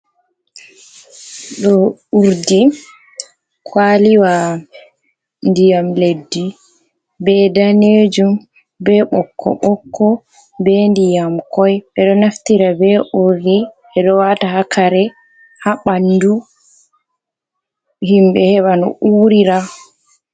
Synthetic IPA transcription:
ɗɔuɾdi | kʰwaliwa | ndijamledːi | bɛdaned͡ʒum | bɛɓɔkːɔ̰ɓɔkːɔ | bɛndijamkɔjɓɛɗɔnaftiɾabɛʔuɾiʔɛɗɔwatahakʰaɾɛ | haɓandu | himbɛhɛwanɔ̰ʔuːɾiɾa

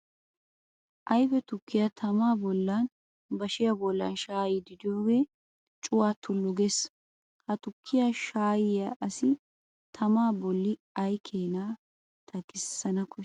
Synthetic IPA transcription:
ʔɐjbɛt̪ʊkːɪjɐt̪ʰɐmaːbɔlːɐn | bɐʃɪjabɔlːɐ̰nʃaːjɪd̪ɪd̪ɪjo̞ːɡe | t͡ʃʼʊwaːt̪ʰʊlːʊɡes | hɐt̪ʊkʰːɪjaʃaːjɪjɐʔɐsɪ | t̪ʰɐmaːbɔlːɪ | ɐjkʰeːna | t̪ʰɐkɪsːɐnɐkʰɔ

